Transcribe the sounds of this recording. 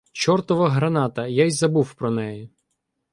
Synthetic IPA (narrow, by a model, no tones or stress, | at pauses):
t͡ʃɔrt̪ɔʋɐɦɾɐnɑt̪ɐjajzɐbuwpɾɔnɛjɪ